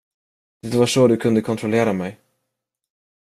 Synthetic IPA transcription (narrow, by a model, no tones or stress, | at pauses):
d̪ɪd̪vaʂoːd̪ɵkʰɵnd̪əkʰɔnt̪ɾɔleːɾamɛj